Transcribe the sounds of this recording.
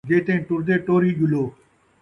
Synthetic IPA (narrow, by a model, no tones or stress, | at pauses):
ɡeːt̪ẽːʈʊɾd̪eːʈoːɾiːʄʊloː